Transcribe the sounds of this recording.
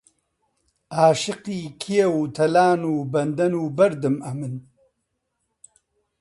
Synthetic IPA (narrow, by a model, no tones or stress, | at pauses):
aːʃɨqiːkʰijewt̪ʰɐlaːnuːbɐnd̪ɐnuːbɐɾd̪ɨmɐmɨn